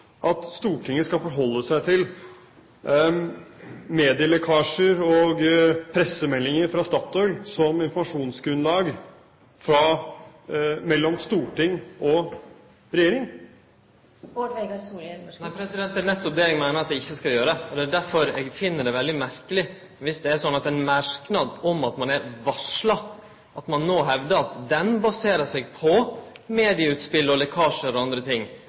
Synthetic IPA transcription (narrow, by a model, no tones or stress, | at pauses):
ʔɑt̪st̪uːʈʰɪŋːəskɑlfɔɾɦɔlːəsæɪt̪ʰɪl | meːd̪ɪəlɛkʰɑːʂəɾɔɡpʰɾɛsəmɛlːɪŋəɾfɾɑst̪ɑːt̪ːɔʏlsɔmɪnfɔɾmɑʂuːnsɡɾʉnlɑːɡ | fɾɑ | mɛlːɔmst̪uːʈɪŋːɔ | ɾɛjeːɾɪŋən | oʋɛɡɑsnæɪpʰɾɛsɪd̪ɛnt̪ːənɛt̪ːɔp̚d̪eːlɪŋmæɪnəɾɑt̪̚d̪ɛɪçːəskɑljøːɾəəɔd̪ɛæɖæɾfɔɾɛːɡfɪnːəɖɛʋɛld̪ɪmæɾkəlɪ | ʋɪsd̪ɛæʂɔnːɑt̪ɛnmæɾknɑd̪ɔmɑt̪mɑnæɾʋɑʂlɑ | ɑt̪mɑnːoːɦɛʋd̪əɑt̪d̪ɛnbɑseːɾəʂɛɡpʰɔmeːd̪ɪəʉːt̪spɪlːɔlɛkʰɑːʂəɾɔɑnd̪ɾət̪ʰɪŋː